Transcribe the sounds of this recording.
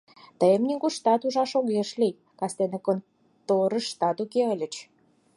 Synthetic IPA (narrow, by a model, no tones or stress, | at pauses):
t̪əjəmnʲiɡuʃt̪ɑt̪uʒɑʃoɣeʃlij | kɑst̪enəkon | t̪oɾə̆ʃt̪ɑt̪ukeəlʲə̆t͡ɕ